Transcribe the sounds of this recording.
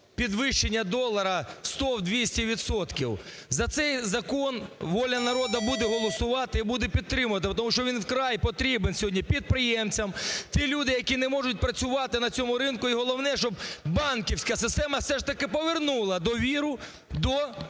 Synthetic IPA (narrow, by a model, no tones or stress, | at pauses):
pʲid̪ʋɪʃt͡ʃenʲːɐd̪ɔlˠɐɾɐst̪ɔwd̪ʲʋʲisʲtʲiʋʲit̪sɔt̪kʲiw | zɐt̪sɛjzɐkɔnʋɔlʲɐnɐɾɔd̪ɐbud̪ɛɦɔlˠɔsʊʋɑt̪ɪibud̪ɛpʲid̪̚t̪ɾɪmʊʋɐt̪̬ɪpt̪̬ɔmuʃt͡ʃɔʋʲinwkɾɑjpɔt̪ɾʲibensʲɦɔdʲipʲid̪̚pɾɪjɛmt͡sʲɐmt̪ʲilʲud̪ɪjɐkʲinɛmɔʐʊt̚ʲpɾɐt͡sʲʊʋɑt̪ɪnɐt͡sʲɔmʊɾɪnkʊiɦɔlˠɔʋnɛʃt͡ʃɔbbɑnkʲiwsʲkɐsɪst̪ɛmɐfsɛʂt̪ɐkɪpɔʋernulˠɐd̪ɔʋʲiɾʊ | d̪ɔ